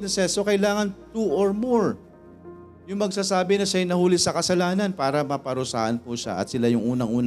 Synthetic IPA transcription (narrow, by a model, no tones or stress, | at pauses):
nɐsɛsokɐjlaːŋɐnt̪uʔoɹmoɹ | jʊŋmɐɡsaːsaːbɪnɐʃaɐjnɐhuːlɪsɐkɐsɐlaːnɐnpaːɾɐmɐpɐɾʊsa̰ːhɐnpuʃa̰ʔɐ̰t̪̚sɪlajʊŋʔuːnɐŋʔuːn